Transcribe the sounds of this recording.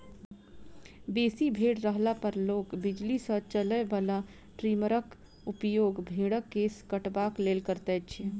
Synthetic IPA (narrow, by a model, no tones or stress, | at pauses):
besibʱeɽɾəɦlapəɾlokbid͡ʒlisə̃t͡ʃələbala | ʈɾiməɾək | upjoɡbʱiɽəkːeskəʈbaklelkəɾt̪ɛt͡ʃʰɛ